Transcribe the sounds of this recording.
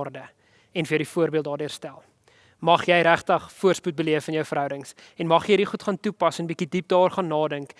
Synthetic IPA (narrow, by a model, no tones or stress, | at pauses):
rdə | ɛnfəədifuərbiəlˠt̚dɑːrdiərstælˠ | mɐχjɛjɾæχtəχfuərsput̚bəliəfɐnjœwfəɾɦœwdəŋs | ɛnmɐχjədiχutχɑːntupɐsɛnbikidip̚dɑːrχɑːnːɑːdəŋk